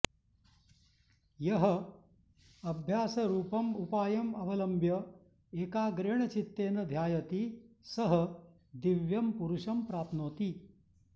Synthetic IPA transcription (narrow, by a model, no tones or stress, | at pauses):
jɐɦɐ | ɐbʱjaːsɐɾuːpɐmupaːjɐmɐʋɐlɐmbʱjɐ | eːkaːɡɾeɳ̃ɐt͡ʃit̪ːeːnɐd̪ʱjaːjɐt̪isɐɦɐ | d̪iʋjɐmpuɾuʂɐmpɾaːt̪ʰnoːt̪i